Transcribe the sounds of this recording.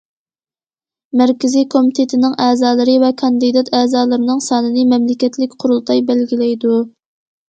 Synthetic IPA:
mæɾkʲɪzijkʰomit̪ʰet̪ʰɪnɪŋɛːzɑːlˠɨɾɨvɛkʰɑnd̪ɨd̪ɑt̪ʰɛːzɑːlˠɨɾɨnɨŋsɑːnɨnɨmɛmlɪkʲɛt̪ʰlɪkʲqʰʊɾulˠt̪ʰɑjbɛlɡʲilɛjd̪u

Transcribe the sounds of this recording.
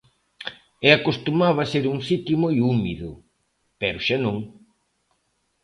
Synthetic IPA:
ɛakost̪umaβɐseɾuŋsit̪jʊmojumiðʊ | pɛɾʊʃanõŋ

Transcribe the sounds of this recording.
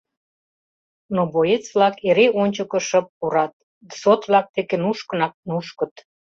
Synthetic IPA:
nobojet͡sβlɑkeɾeʔonʲt͡ɕəkə̆ʃə̆p̚ːuɾɑt̪̚ | sot̪βlɑk̚t̪ekenuʃkə̆nɑk̚nuʃkə̆t̪

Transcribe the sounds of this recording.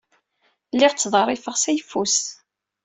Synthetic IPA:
lːɪʁt͡sːðˤərˤːɪfəʁsæjəfːus

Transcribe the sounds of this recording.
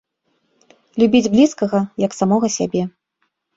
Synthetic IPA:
lʲubʲid͡zʲblʲiskɐɣɐjɐksamɔɣɐsʲabʲɛ

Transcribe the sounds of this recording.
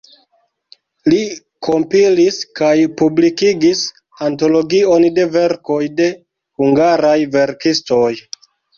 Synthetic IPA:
li | kʰo̞mpiliskajpublikiɡis | anto̞lo̞ɡio̞nde̞ve̞ɾko̞jde̞ | huŋɡaɾajve̞ɾkisto̞j

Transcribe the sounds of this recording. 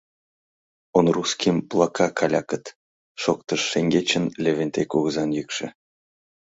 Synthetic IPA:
onruskʲimplˠɑkʰɑkʰɑlʲɑkət̪ | ʃok̚t̪əʃːeŋʲɡʲet͡ɕə̆nlʲevʲenʲt̪ʲekʲuɣɤzɑnjykʃĕ

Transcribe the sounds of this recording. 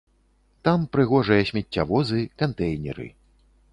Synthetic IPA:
t̪ampɾɨɣɔʐɨjɐɕʲmʲɛtʲːavɔzɨkant̪ɛjnʲɛ̰ɾɨ̰

